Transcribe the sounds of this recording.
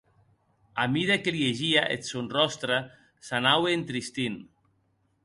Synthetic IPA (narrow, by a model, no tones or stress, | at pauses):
amiðekeljeʒiaʔḛt̪sonrɔst̪ɾa | sanaweːnt̪ɾist̪in